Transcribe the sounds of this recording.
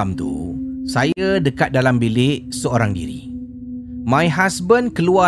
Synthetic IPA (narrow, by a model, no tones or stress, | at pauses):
mt̪ṵsajadəkat̪̚dalambilɪʔsəoɾaŋdḭɾḭ | mãjɦasbənkəlua